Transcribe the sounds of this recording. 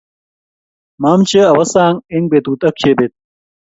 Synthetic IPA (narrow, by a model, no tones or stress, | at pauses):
maːmt͡ɕeɐwɐsaːŋiŋɡbet̪uːt̪ɐk̚t͡ɕʰebet̪̚